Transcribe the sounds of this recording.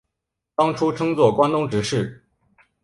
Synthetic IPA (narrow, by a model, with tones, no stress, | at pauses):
t̪ɑ˥ŋʈ͡ʂʰu˥ʈ͡ʂʰɤ˥ŋt͡swɔ˥˩kwa˥nt̪ʊ˥ŋʈ͡ʂɻ̩˧˥ʂɻ̩˥˩